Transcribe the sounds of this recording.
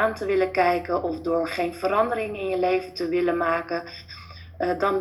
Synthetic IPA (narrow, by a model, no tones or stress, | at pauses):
aːntəʋɪləkɛjkənʔɔfdʊːɹχejnvəɾɑndəɾɪŋɪnjəlejvəntəʋɪlənmaːkə | dɑn